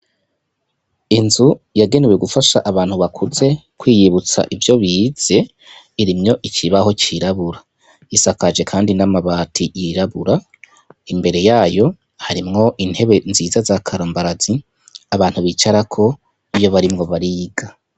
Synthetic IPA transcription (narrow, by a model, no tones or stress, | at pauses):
inzujaɡe̞neweɡufaʃaʔaβaːn̥huβakʰuze̞kwiːjiβut͡sa̰ʔivjo̞βiːz̥e̞ | iɾimɲo̞ʔit͡ʃiβaho̞t͡ʃiɾaβuɾa | isakad͡ʒe̞kʰaːndinamaβatʰijiɾaβuɾa | imbe̞ɾe̞jaːjo̞ | haɾimŋo̞ʔin̥he̞βe̞nziːzazakʰaɾoːmbaɾazi | aβaːn̥huβit͡ʃaɾakʰo̞ | ijo̞βaɾimŋo̞βaɾiːɡa